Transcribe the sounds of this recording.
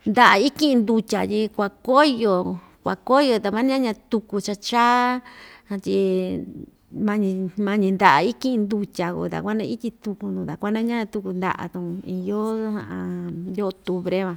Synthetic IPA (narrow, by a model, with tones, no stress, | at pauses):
nd̪a˧ʔa˨i˦kĩ˦˧nd̪u˧tʲa̰˨t̪i˧kʷa˧ko˦˧jo˧ | kʷa˨ko˦˧jo˧t̪a˧mã˦ɲ˦ã˦ɲã˧t̪u˧ku˧t͡ʃa˧t͡ʃaː˦hã˧t̪ʲi˧ | mã˧ɲĩ˧mã˧ɲĩ˧nd̪a˨ʔi˦kĩ˦ʔnd̪u˧tʲa˨kṵ˧˨t̪a̰˨kʷa˦nã˧i˦t̪ʲi˧t̪u˧ku˧nũ˧˨t̪a̰˨kʷa˦nã˦ɲã˦ã˧t̪u˧ku˧nd̪a̰˧ʔa̰˧t̪ũ˧i˧jo˦hã̰˧ã˧d̪ʲo˦o˧t̪u˧βɾe˦βã˧